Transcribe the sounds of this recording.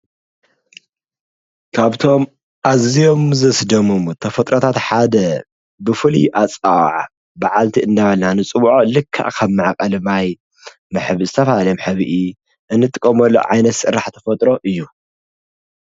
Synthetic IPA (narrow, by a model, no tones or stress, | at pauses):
kʰaβt̪ʰo̞m | ʔazijo̞mzɐsd̪ɐmumt̪ʰɐfɐt̪ʼɾot̪ʰat̪ħad̪ɐ | bɨfɨlḭʔat͡sʼaw̰ʕ | baʕalt̪ʰiʔɨnd̪aβɐlnanɨt͡sʼɨβʕolɨkʰːa̰ʔkʰɐβmɨʕakʼɐlmaj | mɨħɨβɨzɨt̪ʰɐfahalɐmħɨβɨʔi | ʔɨnːɨt̪ʼɨkʼːɐmɐlːo̰ʕajnɐt̪sʼɨɾːaħt̪ʰɐ̥fɐt̪ʼɾo̞ʔɨjːu